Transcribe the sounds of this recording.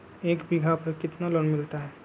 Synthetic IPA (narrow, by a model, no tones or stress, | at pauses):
eːkbɪɡʱapɐkɪt̪naloːnmɪlt̪aɦɛː